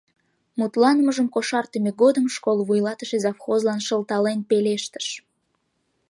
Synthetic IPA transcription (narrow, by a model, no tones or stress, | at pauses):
mut̪lɑnəməʒəmkoʃɑrt̪emeɡod̪əmʃkolβujlɑt̪əʃezɑfxozlɑnʃəlt̪ɑlenpeleʃt̪ə̥ʃ